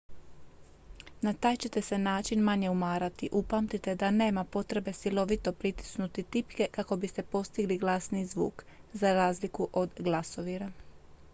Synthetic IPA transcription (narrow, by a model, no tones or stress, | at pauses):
nat̪aːjt͡ɕe̞t̪e̞se̞naːt͡ʃinmaɲe̞umaːɾat̪iʔupamt̪it̪e̞d̪ane̞ːmapo̞t̪ɾe̞be̞silo̞ʋit̪o̞pɾit̪i̥snut̪it̪ipke̞kako̞bist̪e̞po̞st̪iɡliɡlˠaːsnizʋṵːkzaɾaːzlikuʔo̞d̪ɡlˠaso̞ʋiɾa